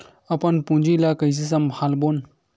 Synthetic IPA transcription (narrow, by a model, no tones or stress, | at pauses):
ɐpɐnpũnd͡ʑilakɐjs̬is̬ɐmbhalbon